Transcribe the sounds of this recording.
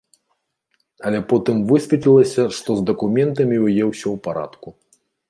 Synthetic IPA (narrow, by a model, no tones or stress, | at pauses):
ɐlʲɛpɔt̪ɨmvɨsʲvʲɛt̪ʲlʲilˠɐsʲɐʂt̪ɔzd̪ɐkumʲɛnt̪ɐmʲiwjɛwsʲɔwpaɾa̰t̪ku